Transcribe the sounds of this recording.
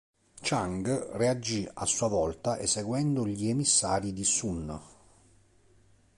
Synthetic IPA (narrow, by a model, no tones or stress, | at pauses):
t͡ʃaŋɡread͡ʒːia̰sːuavɔlt̪aʔeseɡwɛnd̪ʊʎiemisːaːɾid̪isun